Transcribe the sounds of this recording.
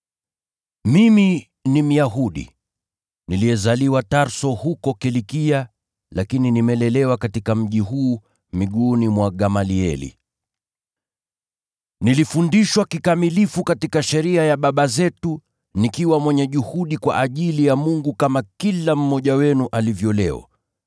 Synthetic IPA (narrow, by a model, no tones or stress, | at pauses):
mimi | nim̩jaɦuɗḭ | niliɛzaliwataɾsɔhukɔkɛlikia | lakininimɛlɛlɛwakatikam̩ʄiɦuː | miɠuːnimwaɠamaliɛ̰lḭ | nilifundiʃwakikamilifukatikaʃɛɾiajaɓaɓazɛtu | nikiwamwɛɲɛʄuhuɗikwa̰ʔaʄilijamuŋɡukamakilam̩mɔʄawɛnuʔalivjɔlɛ̰wa̰